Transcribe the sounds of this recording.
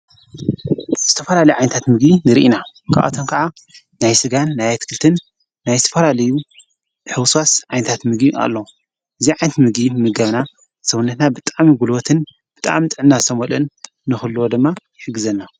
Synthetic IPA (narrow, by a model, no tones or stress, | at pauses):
z̥ɨt̪ʰɐfɐlalɐjuʕajnɐt̪ʰat̪mɨɡbinɨɾḭʔina | kʰʔa̰t̪ʰonkʰaʕa | najsɨɡanːajat̪ʰɨ̥kʰɨlt̪ʰɨnː | ajzɨt̪ʰɐfɐlalɐju | ħɨwswasʕajnɐt̪ʰat̪mɨɡbiʔa̰lːo | ʔɨziʕajnɐt̪mɨɡimɨɡɐβna | sɐwunːɐt̪nabɨt̪ʼamiɡulot̪ʰɨn | b̥ɨt̪ʼa̰mt̪ʼɨʕnːasʰɐmolɨnː | ɨxɨlːuwod̪ɨmːa | ħɨɡːɨzɐnːa